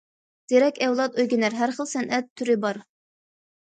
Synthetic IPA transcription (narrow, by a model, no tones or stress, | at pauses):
d̪̥iɾɛkʲɛwlˠɑt̪ojɡʲɪnæɾɦæɾχəlˠsɛnʔɛt̪ʰːyɾɪbɑɾ